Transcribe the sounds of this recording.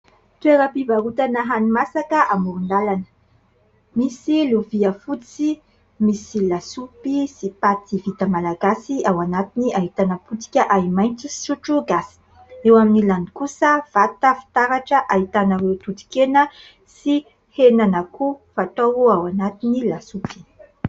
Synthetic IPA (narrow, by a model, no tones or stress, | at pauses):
t̪ueɾəpivaɾut̪anəɦanimasakəʔamuɾund̪alanə̥ | misiluviəfut͡si | misilasupisipat̪ivit̪əmalaɡasiawanat̪iniʔaɦit̪anəput̪i̥kʲəʔaimajnt͡sisuʈ͡ʂuɡasi̥ | ewaminilanikusəv̥at̪əfi̥t̪aɾaʈ͡ʂəʔaɦit̪anawewt̪ut̪i̥kenə | si | henanakufat̪oɾuawanat̪inilasupi̥